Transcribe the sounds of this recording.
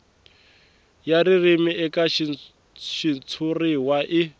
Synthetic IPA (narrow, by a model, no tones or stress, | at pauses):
jaɾirimiʔɛkaʃi | ʃit͡sʰuriwaʔɪ